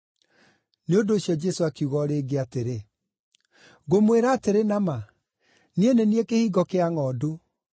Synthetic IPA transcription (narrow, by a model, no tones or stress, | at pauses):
neondoːɕjɔd͡ʒɛsoakuɣɔɾeɡeateɾe | ɣomweɾaːteɾenama | nieneniekehiːɡɔkeaŋɔːdo